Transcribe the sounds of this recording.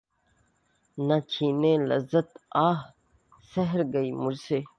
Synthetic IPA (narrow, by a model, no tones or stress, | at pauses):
nɐt͡ɕʰiːnẽːlɐ̰zɐt̪aːɦ | sɐɦɾɡɐimuɾseː